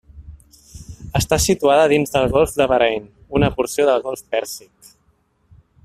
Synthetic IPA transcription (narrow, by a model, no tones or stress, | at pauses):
əst̪asit̪uaðəðinzðəlˠɣɔlˠfd̪əβəɾɛjn | unəpuɾsioðəlˠɣɔlˠfpɛɾsik